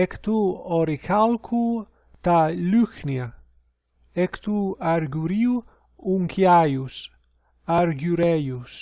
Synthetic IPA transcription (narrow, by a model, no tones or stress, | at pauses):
ekt̪uoɾikalkʰu | t̪alyknia | ekt̪uaɾɡuɾiu | uŋkʰjajus | aɾɡuɾɛjus